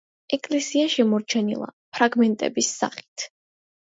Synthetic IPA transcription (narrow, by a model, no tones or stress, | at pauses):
ɛkʼlɛsiaʃɛmɔɾt͡ʃʰɛnḭlˠa̰pʰɾaɡmɛnt̪ʼɛ̰bisːa̰χi̥t̪ʰ